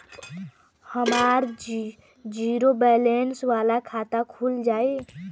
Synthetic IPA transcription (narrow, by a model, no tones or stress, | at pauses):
həmaɾ | d͡ʒiɾobɛlensʋalakʰat̪akʰuld͡ʒaːe